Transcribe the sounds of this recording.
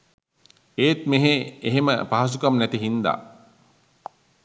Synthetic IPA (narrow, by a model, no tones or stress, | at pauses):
eːt̪̚meɦeeɦemə̰paɦas̬ukamnæt̪iɦind̪a̰ː